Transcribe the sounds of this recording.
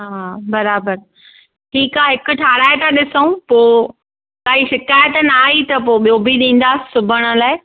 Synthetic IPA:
ɦaːbɐɾaːbəɾ | ʈʰiːkaːɦɪkʊ̆ʈʰaːɽaːjt̪aɗɪsəũpoː | kaːiʃɪkaːjət̪naːit̪ɐpoːɓijoːbʱiɗĩːn̆d̪aːsʊbʱəɽ̃ʊ̆laːɪ

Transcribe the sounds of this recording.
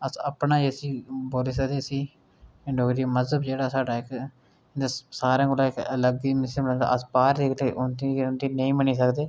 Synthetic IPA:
əsəpnaːd͡ʒesiːboːlɪs̬ad̪eːsiː | ɪɳɖoːɡɾiːməzəbd͡ʒeːɽaːsaːɖaːɪk̪ | asaːɾãːɡolaːɪkələɡimɪsəməɽə̃nd̪a̰əsbaːɾd̪eːkt̪eʔʊnt̪iʊnt̪iːnəĩːməniːs̬əkd̪eː

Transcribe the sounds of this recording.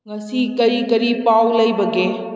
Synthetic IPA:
ŋɐsikɐɾikɐɾipawlɐjbɐɡe

